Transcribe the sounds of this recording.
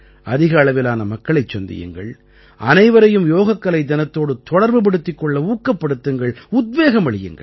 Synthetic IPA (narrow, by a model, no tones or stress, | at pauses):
ɐðɪɣɐːɭɐʋɪlaːnɐmɐkːɐɭɐɪt͡ʃːɔnd̪ɪ̰jɯ̰ŋɡɐ̰ɭ | ʔɐnɐɪʋɐɾɐjɯmjoːɣɐkːɐlɐɪd̪ɐnɐt̪ːoːɽɯt̪ɔɽɐɾbɯp̬ɐɽɯt̪ːɪkːɔɭːɐuːkːɐpːɐɽɯt̪ːɯŋɡɐɭʊd̪̚ʋeːɣɐmɐɭɪjɯ̰ŋɡɐ̰